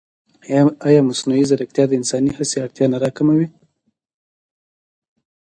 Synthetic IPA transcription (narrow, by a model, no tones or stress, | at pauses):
ajɑmasnuizaɾak̚t̪jɑd̪əɪnsɑnihaseaɽt̪jɑnaɾɑkamawi